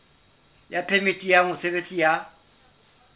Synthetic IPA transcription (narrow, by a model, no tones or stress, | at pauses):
japʰemitʼijamʊsebet͡sʼija